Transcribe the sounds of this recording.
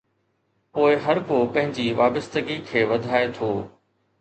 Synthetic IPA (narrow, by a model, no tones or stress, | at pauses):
poːɪɦɐɾkopɐ̃ɦɪ̃ɲd͡ʑiʋaːbəst̪əɡikʰeːʋɐd̪ʱaːet̪ʰoː